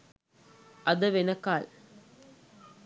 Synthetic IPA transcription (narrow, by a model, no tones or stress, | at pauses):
ʔɐðɐʋɛnɐkːaːl